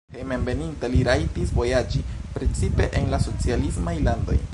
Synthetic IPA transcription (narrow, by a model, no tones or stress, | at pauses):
hemenve̞nintaliɾajtisvo̞jad͡ʒipɾe̞t͡sipe̞̰ʔenlaso̞t͡sialismajlando̞̰j